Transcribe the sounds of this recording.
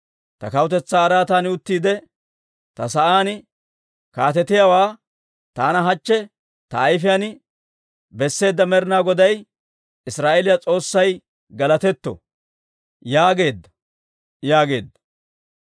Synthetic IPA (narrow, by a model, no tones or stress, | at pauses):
t̪ɐ̰kɐwt̪ɛt͡sːaːɾaːt̪aːnɪʊt̪ːiːd̪ɛ | t̪ɐsɐʔaːnɪ | kaːt̪ɛt̪ːɪjawaː | t̪aːnɐɦɐt͡ʃːɛ | t̪ɐːjfɪjanɪ | bɛsːe̞ːd̪ːɐmɛɾnaːɡɔd̪ɐj | ɪsɾaːʔɛlɪjat͡sʼo̞ːsːɐj | ɡɐlɐt̪ɛt̪ːɔ̰ | jaːɡe̞ːd̪ːɐ̥ | jaːɡe̞ːd̪ːɐ̥